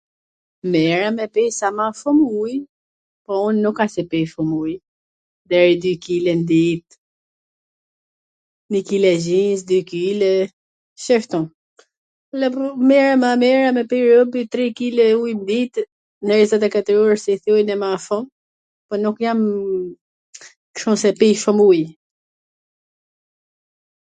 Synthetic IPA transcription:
mɛɹamɛpɛjsamafɔmuj | pɔunːukasɛpɛfɔmuj | d̪ɛɾid̪ykilɛnd̪it̪̚ | nikilɛzisd̪ykilɛ | ʃɛft̪ɔ̃ | lɛpmɛɾamamɛɾamɛpiɾɔbit̪ɾikilɛujmd̪it̪ | nɛɾɛzat̪akat̪əɾɔɾsiθɔjnɛmafɔ̃m | pɔnukjam | kʃɔ̃sɛpijfɔmuj

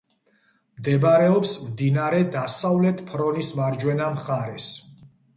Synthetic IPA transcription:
md̪ɛbɾɛɔpsmd̪inaɾɛd̪asavlɛt̪ʰpʰɾɔnismaɾd͡ʒwɛnamχaɾɛs

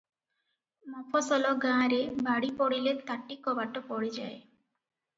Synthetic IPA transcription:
mɔpʰɔsɔlɔɡãɾebaɽipɔɽilet̪aʈːikɔbaʈɔpɔɽid͡ʒa̰e

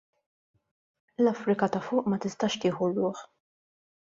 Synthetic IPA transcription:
lɐfɾɪkɐt̪ɐfʊːʔmɐt̪ɪst̪ɐʃt̪ɪːħurʊːħ

